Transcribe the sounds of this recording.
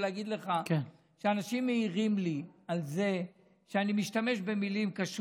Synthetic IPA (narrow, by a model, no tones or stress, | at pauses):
leaɡid̪le̞χaken | ʃeanaʃimːeiʁimlialze̞ | ʃeanimiʃtame̞ʃbe̞milimkaʃ